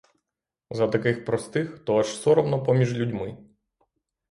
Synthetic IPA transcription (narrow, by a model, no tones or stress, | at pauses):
zɐt̪ɐkɪxpɾɔst̪ɪxt̪ɔɐʃsɔɾɔwnɔpɔmʲiʒlʲudʲmɪ